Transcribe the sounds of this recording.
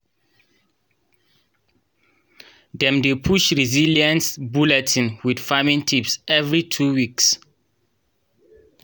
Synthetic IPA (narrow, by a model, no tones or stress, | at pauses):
dɛ̃mdepʰuʃɹiziliãnsbulɛtʰĩnwidfamĩŋntʰipsɛvɹitʰuwiks